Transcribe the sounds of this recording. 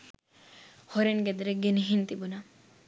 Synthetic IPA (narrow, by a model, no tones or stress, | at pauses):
hoɾenɡed̪ɾeɡeniɦint̪ibuna